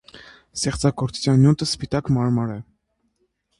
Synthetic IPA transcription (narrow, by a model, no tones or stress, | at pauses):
st̪ɛχt͡sɑɡɔɾt͡su̥t͡sʰjɑnjut̪əspit̪ɑkmɑɾmɑɾɛ